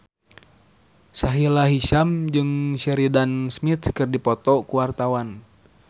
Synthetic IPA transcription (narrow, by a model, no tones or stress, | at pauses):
saɦilaɦiʃamd͡ʒɨŋʃɛɾidansmit̪kɨrdipɔt̪ɔkuwart̪awan